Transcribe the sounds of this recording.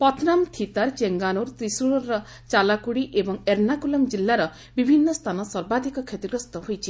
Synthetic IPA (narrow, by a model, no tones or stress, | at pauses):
pɔt̪ʰnamt̪ʰit̪aɾt͡ʃeŋɡanoɾt̪ɾisuɽɔːɔ | t͡ʃalakuɽiʔebɔŋeɾnakulɔmd͡ʒilːaɾɔ | bibʱinːɔst̪ʰanɔsɔɾbad̪ʱikɔkʰjet̪iɡɾɔst̪ɔɦojt͡ʃʰi